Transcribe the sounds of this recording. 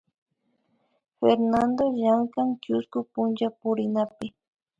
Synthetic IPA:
feɾnand̪oʒaŋkaŋkʊskʊpʊnt͡ʃapʊɾɪnapɪ

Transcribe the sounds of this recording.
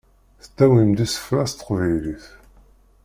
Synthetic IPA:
θət̪ːæwimd̪isə̥fɾæst̪ə̥qvijliθ

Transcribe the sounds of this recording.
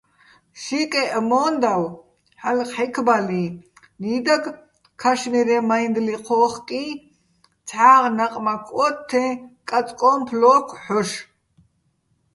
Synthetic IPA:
ʃikʼɛʔmɔːnd̪aw | ħalqħɛkʰbali | niːd̪aɡ | kʰaʃniɾɛmajnd̪liqʰɔːχkʼi | t͡sʰħaːʁnaqʼmakʰʼɔt̪ʰːɛ̃kʼat͡sʼkʼɔːmpʰlɔːkʰħɔʃ

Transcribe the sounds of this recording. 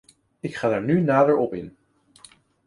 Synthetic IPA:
ɪkχaːdaːɹnynaːdəɹɔpɪn

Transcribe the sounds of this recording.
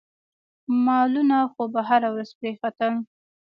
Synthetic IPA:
mɑlunaxobaɦaɾawɾazpɾexat̪əm

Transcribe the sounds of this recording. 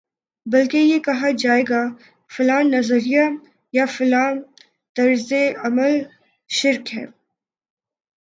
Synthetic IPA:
bɐlkejekɐɦad͡ʒaːeːɡa | fʊlaːnːɐzəɾija | jafʊlaːn | t̪ɐɾzeɐməl | ʃɪɾkɦɛ̰̃ː

